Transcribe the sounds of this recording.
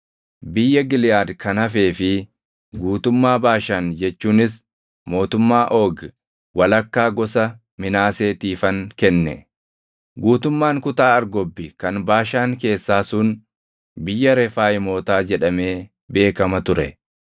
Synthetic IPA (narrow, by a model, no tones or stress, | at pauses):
bɪjːɐɡɪlɪjaːd̪kɐnɐfe̞ːfɪ | ɡuːt̪ʊmːaːbaːʃaːnd͡ʒɛt͡ʃːuːnɪs | mo̞ːt̪ʊmːaːʔo̞ːɡ | wɐlɐkːaːɡɔsɐ | mɪnaːseːt̪iːfɐŋkɛnːɛ̰ | ɡuːt̪ʊmːaːŋkʊt̪aːɐɾɡɔbːɪkɐnbaːʃaːŋke̞ːsːaːsʊn | bɪjːɐɾɛfaːjɪmo̞ːt̪aːd͡ʒɛᶑɐme̞ː | be̞ːkɐmɐt̪ʊɾɛ̰